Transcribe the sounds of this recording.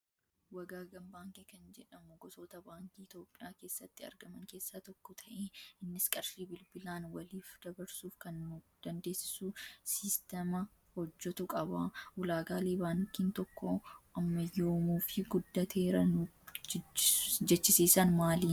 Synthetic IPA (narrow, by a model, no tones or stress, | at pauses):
wɐɡaːɡɐmbaːŋkekɐnd͡ʒɛᶑɐmʊɡɔso̞ːt̪ɐbaːŋkiːɪt̪jo̞ːpʼːɪjaːke̞ːsːɐt̪ːɪɐ̰ɾɡɐmɐŋke̞ːsːaːt̪ɔkːɔt̪ʰɐʔeːɪnːɪskʼɐɾsiːbɪlbɪlaːnwɐliːfd̪̥ɐbɐɾsuːfkɐnːʊd̪̥ɐnd̪e̞ːsɪ̥susɪst̪ɛmɐ | hɔd͡ʒːɔt̪ʊkʼɐbɐʔʊlaːɡaːleːbaːŋkiːnt̪ɔkːoʔɐmːɐjo̞ːmuːfɪɡʊd̪ːɐt̪ʰe̞ːɾɐnʊ | d͡ʒɛt͡ʃːɪsiːsanmaːliː